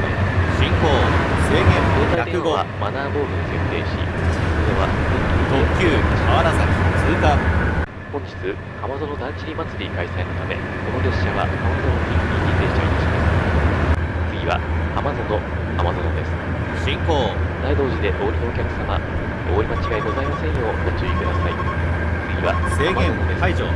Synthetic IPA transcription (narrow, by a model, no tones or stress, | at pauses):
ɕĩŋkoːse̞ːɡẽ̞mboːzaiaekɯ̟ɡomanaːbo̞ːɾɯ̟d̪osẽ̞nt̪e̞ːɕḭsoɾeβaot̪oːkʲɯːaβaɾasaet͡sɨːkã | hõ̞ɲ̟d͡ʑi̥t͡sɨ | amazo̞no̞d̪ãnt͡ɕiɾʲimat͡sɨɾʲikaisainot̪ame̞̰ko̞no̞ɾe̞ɕːaβa̰komzoiit̪ʲid̪eɕi̥t̪ait̪aɕimas | t͡sɨɡʲiβa̰amazo̞no̞ | amazo̞no̞d̪e̞sɨ̥ | ɕĩŋkoːd̪aid̪o̞ːʑid̪e̞ʔo̞ːɾʲino̞ːkʲakɯ̟̥sama̰ | o̞ːɾimat͡ɕiɡaiɡo̞zaimasẽ̞ɰ̃jo̞t̪ot͡ɕiikɯd̪asai | t͡sɨɡʲiβaeːamaẽonod̪e̞so